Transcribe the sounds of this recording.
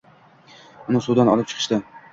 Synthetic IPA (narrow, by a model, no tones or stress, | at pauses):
ʊnɪsud̪anɒlɪp̚t͡ʃʰɨ̥qʰɨ̥ʃt̪ɪ